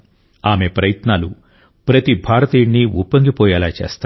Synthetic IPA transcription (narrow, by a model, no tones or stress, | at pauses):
aːmepɾɐjɐt̪naːlu | pɾɐt̪ibʱaːɾɐt̪iːɳːiupːɐŋɡipɔːjɛːlaːt͡ʃḛːst̪a